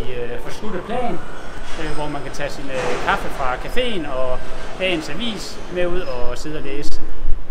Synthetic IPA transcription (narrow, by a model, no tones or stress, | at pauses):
ifɒslud̥ˠpʰlɛ̰ːn | ʋɒmænkʰæt͡sʰɛsinkʰɑ̈fəfʁɑ̈kʰæfe̝̰ːnɒ̽b̥ɛ̰ːnsæʋḭːsmeuð̞̰ˠɒ̽se̝ð̞ˠɒleːsə